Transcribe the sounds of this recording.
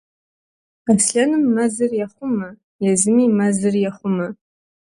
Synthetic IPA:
asɬʲanɨmːazɨrjaχʷʊma | jazɨmimazɨrjaχʷʊma

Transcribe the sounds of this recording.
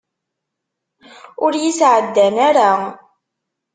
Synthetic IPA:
ʊɾjisʕəd̪ːænaɾa

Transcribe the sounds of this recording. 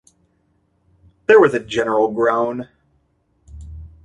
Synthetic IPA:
ðə˞wʌzɨd͡ʒɛnə˞l̩ˠɡɹãʊ̃n

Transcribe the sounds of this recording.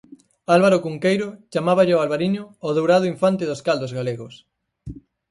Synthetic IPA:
alβaɾokuŋkejɾʊt͡ʃamaβaʎɪoalβaɾiɲʊːðowɾaðʊiɱfant̪ɪðoskald̪ozɣaleɣos

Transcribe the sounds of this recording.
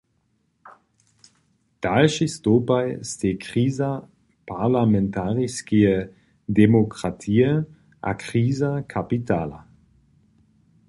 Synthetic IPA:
d̥alʃistoːpajsteːkʁ̥iːza | pʰaʁlamɛntaʁiskiə | demokʁ̥atʰiːə | ʔa̰kʁ̥iːzakʰapitaːla

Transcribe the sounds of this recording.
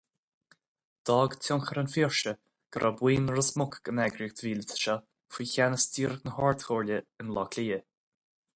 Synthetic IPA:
d̪̥ɔːɡtʰʊŋxəɾənfiɹʃə | ɡ̥əɾʔabwiːnɾəsmʊkɡ̥ənɛɡɾiɡ̚d̪viːlt̪ʰə̥ʃɔ | fiːçanəstiːɾəɡnəhɔːɹt̪hoːɹlʲəənlɔkʰliːə

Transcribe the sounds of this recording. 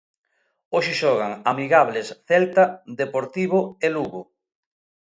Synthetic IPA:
oʃɪʃɔɣ̞aŋamiɣaβlesθɛlt̪ad̪epoɾt̪iβoeluɣo

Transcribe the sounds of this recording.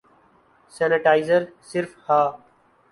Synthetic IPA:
sɛːnəʈaːɪzəɾsɪɾfhaː

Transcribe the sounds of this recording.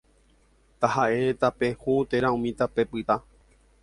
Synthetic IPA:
t̪aɦaʔe̞t̪ape̞hut̪e̞ɾaũmĩt̪ape̞pɨt̪a

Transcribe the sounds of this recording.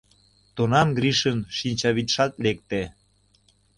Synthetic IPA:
t̪onɑmɡɾiʃənʃinʲt͡ɕɑβit̪ʃɑt̪lek̚t̪e

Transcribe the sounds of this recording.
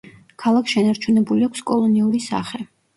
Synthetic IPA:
kʰalˠakʰʃɛnaɾt͡ʃʰunɛbuliakʷʰskʼɔlˠɔniuɾisa̰χɛ

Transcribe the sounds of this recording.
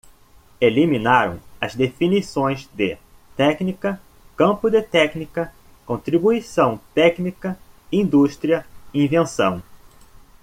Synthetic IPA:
elimĩnaɾɐ̰̃w̃ɐ̰zd̪efinisõj̃zd̪ɪ | t̪ɛknikɐ | kɐ̃mpʊd̪ɪt̪ɛknikɐ | kõnt̪ɾibuisɐ̃w̃t̪ɛknikɐ | ĩnd̪uʃt̪ɾiɐĩvẽsɐ̰̃w̃

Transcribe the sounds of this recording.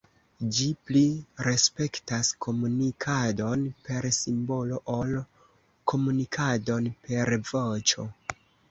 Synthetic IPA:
d͡ʒipliɾe̞spe̞ktasko̞munikʰado̞npe̞ɾsimbo̞lo̞ʔol | kʰo̞munikʰado̞npe̞ɾvo̞t͡ʃo̞̰

